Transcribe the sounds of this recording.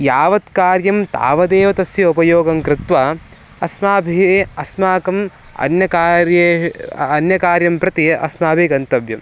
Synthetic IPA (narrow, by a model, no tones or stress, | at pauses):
jaːʋɐt̪kaːɾjɐmt̪a̰ːʋɐd̪eːʋɐt̪ɐsjɐupɐjoːɡɐmkɾɪt̪ʋaː | ɐsmaːbʱieɐsmaːkɐm | ɐ̰njɐkaːɾjeɐnjɐkaːɾjɐmpɾɐt̪iʔɐ̰smaːbʱiɡɐnt̪ɐbʱjɐm